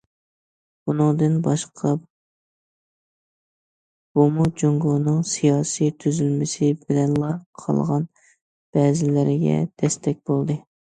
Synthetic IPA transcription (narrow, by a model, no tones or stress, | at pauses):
b̥unɨŋd̪ɨnbɑʃqʰɑ | b̥omud͡ʒoŋɡonɨŋsijɑːsijt̪ʰyzylmɪsɪbɪlɛnlˠɑqʰɑ̰lˠʁɑn | b̥ɛːzɪlɪɾɪɡʲɛ̰d̪̥ɛst̪ʰɛk̚ʲb̥olˠd̪ɨ